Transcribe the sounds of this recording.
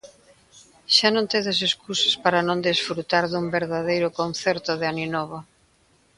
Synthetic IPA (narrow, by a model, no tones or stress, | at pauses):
ʃanõnt̪eðɪseskʰusɐ̥spaɾɐnõnd̪isfɾut̪aɾðumbeɾðaðejɾʊkonθɛɾt̪ʊðɪaninɔβo